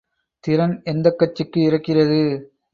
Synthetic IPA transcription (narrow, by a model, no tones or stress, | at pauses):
t̪ɪɾɐnɛnd̪ɐkːɐt͡ʃːɯkːɯɪrɐkːɪrɐðɯ